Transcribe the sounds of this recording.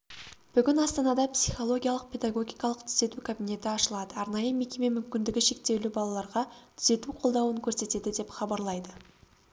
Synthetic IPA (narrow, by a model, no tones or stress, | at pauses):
b̥ʏɡʲɪnɑst̪ɑnɑd̪ɑpsʲiχo̞lˠo̞ɡʲijalˠəq̚pʰʲe̞d̪aɡo̞ɡʲijkɑlˠəqt̪ʰʏ̥ze̞t̪ukʰabine̞t̪ɪɑʃəlˠɑd̪əɑɾnɑjəme̞kʲe̞me̞mʏmkʲɪnd̪ɪɡʲɪʃe̞k̚t̪e̞wlɪbɑlˠɑlˠɑɾʁɑt̪ʰʏ̥ze̞t̪uqʰo̞lˠd̪ɑwəŋkʲʰɵɾse̞t̪e̞d̪ɪd̪e̞pχɑbɑɾlˠɑjd̪ə